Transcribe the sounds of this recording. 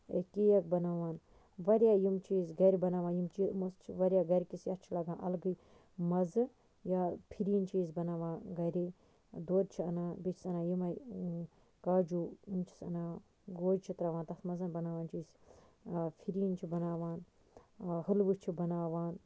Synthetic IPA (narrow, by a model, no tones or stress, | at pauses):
ekiːjɐk̚bɐnaːʋaːn | ʋɐɾʲjaːjimt͡ʃiːzɡɐɾibɐnaːʋaːjimt͡ʃiːmust͡ʃʰiʋɐɾʲjaːɡɐɾʲkisjɐt͡ʃʰilɐɡãːnʔɐ̰lɡɨj | mɐzɨ | jaːpʰiɾint͡ʃiːzbɐnaːʋaːnɡɐɾiː | d̪oːd̪̚t͡ʃʰiɐ̰naːbit͡ʃʰi̥sɐnaːjimɐ | kaːd͡ʒuːimt͡ʃʰi̥sɐ̰naː | ɡoːd͡ʒt͡ʃʰit̪ɾɐʋãːnt̪ɐsmɐzɐnbɐnaːʋaːnt͡ʃiːs | pʰiɾiːnt͡ʃʰibɐnaːʋaːn | hɨlʋɨt͡ʃʰibɐnaːʋaːn